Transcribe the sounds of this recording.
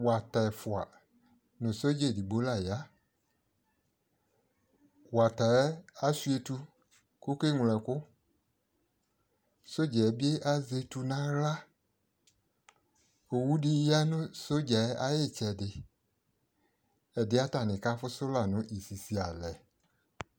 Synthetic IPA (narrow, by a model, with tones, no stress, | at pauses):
wa˨ta˨fʊ˨a˨ | nʊ̃˨so˦d͡ʒe˦˨di˨ɡ͡bo˦la˦˨ja˦ | wa˨ta˨˦ɛ˦a˦su˦e˨tu˧ | ko˦ke˦ŋʷ˨lɛ̃˨kʊ˦ | so˦d͡ʒɛ˨˦bi˦e˦ʔa˦ze˨tu˨nã˦ɣla˦ | o˨wu˦dɪ˦ja˦nʊ̃˦so˦d͡ʒɛ˨˦ʔa˦jɪ˦t͡ʃɛ˨dɪ˨ | ɛ˨dɪ˦a˦ta˨nɪ̃˨ka˦fʊ˦sʊ˦la˨nʊ̃˦ʔi˨si˨si˨a˨lɛ˨